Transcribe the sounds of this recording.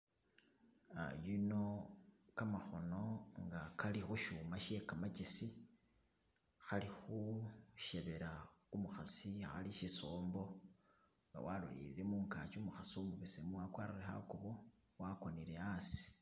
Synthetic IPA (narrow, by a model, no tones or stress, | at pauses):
a̰jino̞kamaxo̞no̞ŋɡakalixuʃumaʃekamacisi | xalixuʃeβe̞ɾaumuxasiaxa̰liʃisoːmbo̞ | ŋɡa̰walṵlḭɾiɾemuːŋka̰t͡ʃumuxasumuβisemuwakwaːɾaɾeha̰kuβo | wako̞nile̞asi̥